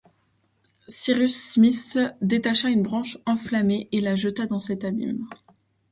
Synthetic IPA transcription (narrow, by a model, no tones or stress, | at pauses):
siʁysːmisd̪et̪aʃaynbʁɑ̃ʃɑ̃flameʔelaʒət̪ad̪ɑ̃sɛt̪abḭm